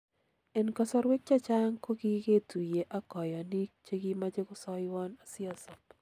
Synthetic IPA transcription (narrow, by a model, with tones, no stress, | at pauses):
ɛ˨nkɔ˨sɔ˦ɾwe˦k̚t͡ʃa˦t͡ʃa˦ŋko˦ɡi˦ke˦t̪u˨je˨ʔa˦kɔ˨jɔ˨ni˦k̚t͡ʃe˦ɡi˦ma˦d͡ʒe˦kʊ˦sɔ˦jwɔ˦na˨sɪ˦a˨sɔ˨p